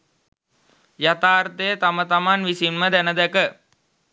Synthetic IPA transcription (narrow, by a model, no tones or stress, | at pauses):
jat̪aːrt̪əjət̪amət̪amanʋisinməd̪ænəd̪ɛkə